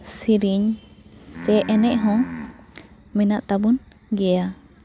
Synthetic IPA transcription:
siɾiɲ | sɛʔɛnɛʔɦɔ̃ | mɛnaʔt̪abun | ɡɛa

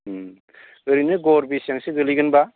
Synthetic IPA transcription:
ɯɾinɯɡɔɾbisjaŋseɡɯliɡɯnba

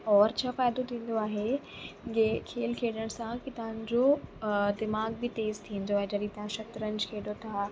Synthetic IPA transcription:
ɔːɾt͡ɕʰaːfaːjd̪ot̪ʰĩːn̆d̪oaːɦe | ɡekʰeːlkʰeːɗəɽ̃sãkit̪ɐɦə̃ɲd͡ʑod̪ɪmaːɡbɪt̪eːzt̪ʰĩːn̆d̪oaːɦed͡ʑɐɾit̪ɐ̃ɦãʃɐt̪ɾənɪ̆d͡ʑkʰeːɖot̪ʰaː

